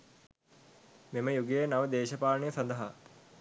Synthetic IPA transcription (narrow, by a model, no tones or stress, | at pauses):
meməjuɡejənaʋəd̪eːʃəpaːlnejəsɐnd̪əɦa